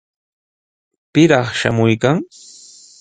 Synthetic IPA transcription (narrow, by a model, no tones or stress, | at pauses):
pɪɾɑχʃa̰mʊjkaŋ